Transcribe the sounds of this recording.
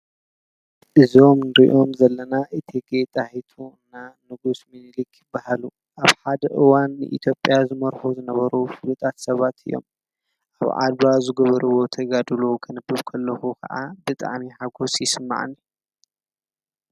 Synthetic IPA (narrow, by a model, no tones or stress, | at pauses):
ʔɨzio̞mnɨɾiʔo̞mzɐlːɐnaʔɨt̪ʰeɡet̪ʼaħit̪ʰuɨnːanɨɡusminlikjɪbːahalu | ʔaβħad̪ɐʔɨwanːɨ̰ʔḭt̪ʰjo̞pʼːjazɨmɐɾħuzɨnɐβɐɾufɨlut̪ʼat̪sɐβat̪ʰɨ̰jːo̞̰m | ʔa̰βʕa̰d̪bazɨɡɐβɐɾɨwo̞t̪ʰɐɡad̪ɨlokʰɨnɨbːɨβkʰɐlːɐxukʰɐ̰ʔabɨt̪ʼa̰ʕmiħaɡo̞sjɪsɨmːa̰ʕɨ̰n